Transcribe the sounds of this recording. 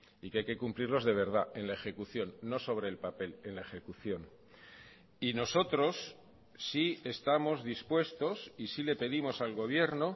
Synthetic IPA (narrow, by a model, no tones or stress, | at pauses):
ikeajke̞kumpliɾlo̞zðe̞β̞e̞ɾð̞aenlae̞xe̞kuθjo̞nːo̞so̞β̞ɾe̞ːlpape̞le̞nlae̞xe̞kuθjo̞n | ino̞so̞t̪ɾo̞sː | ie̞st̪amo̞zðispwe̞st̪o̞sisile̞pe̞ðimo̞salɣo̞β̞je̞ɾno̞